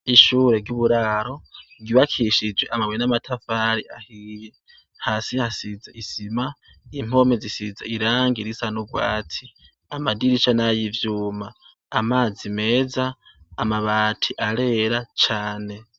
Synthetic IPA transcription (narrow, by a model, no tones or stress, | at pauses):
iʃuːɾe̞ɡɟuβuɾaɾo̞ɡiβakʰiʃid͡ʒweʔamaβwenamatʰafaɾiahiːje | haːsihasid͡zeʔisima | im̥o̞mezisizeiɾaːŋɡiɾisanuɡwa̰ːtʰi | amadiɾit͡ʃanajivjuːmaː | maːzime̞ːzaː | maβaːtʰiʔaɾe̞ɾat͡ʃaːne̞